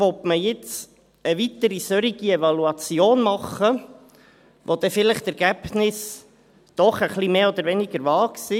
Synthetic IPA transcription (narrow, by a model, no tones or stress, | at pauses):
ʋɔt̪məjɪt͡s | əʋit̪əɾisœɾiɡ̥iɛvɑluɑt͡sjoːnmɑχə | ʋod̥̪ɛfɪləχtɛɾɡ̥æb̥nɪs | d̪̥ɔχəχlimeːɔd̪əɾʋɛniɡ̥əɾʋɑːksi